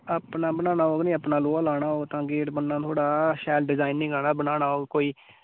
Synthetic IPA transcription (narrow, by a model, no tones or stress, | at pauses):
aːpnaːbənaːnaːoːɡnĩːəpnaːloːaːlaːɽ̃aːoːt̪ãːɡeːʈbənːãːt̪ʰoːɽaːʃɛːlɖɪzaːinːĩːɡaːnaːbənaːnaːoːɡkoːiː